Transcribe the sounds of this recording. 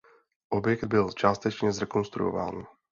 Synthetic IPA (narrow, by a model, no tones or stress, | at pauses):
ʔobjɛkd̪̚bɪlt͡ʃaːst̪ɛt͡ʃɲɛzɾɛkonst̪ɾṵjova̰ːn